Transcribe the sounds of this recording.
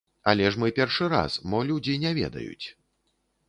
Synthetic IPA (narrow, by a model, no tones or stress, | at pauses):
alʲɛʂmɨpʲɛrʂɨɾa̰sbɔlʲud͡zʲinʲɛvʲɛ̰d̪ɐ̰jṵt͡sʲ